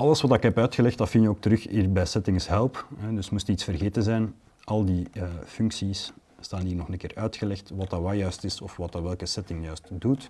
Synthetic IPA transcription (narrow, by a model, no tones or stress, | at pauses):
ɑləsʋɑtɪkɦɛpœːtxəlɛxt̚dɑtfɪnjəoːk̚təɾɵxɪbɛsɛtɪŋɪsɦɛlˠpɦɛdɵsmustitsfərɣeːtənzɛjn | ʔɑlˠdiəːfʏŋksisː | taːniːrnɔxənəkɪːrœːɥtxəlɛxtʋɑtɑʋaːjœːstɪsɔfʋɑtɑʋɛlˠkəsɛtɪŋjœːstdut